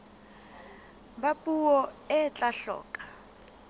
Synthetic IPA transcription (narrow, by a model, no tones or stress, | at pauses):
bapʼuwɔɛt͡ɬʼaɬɔ̰ːkʼḁ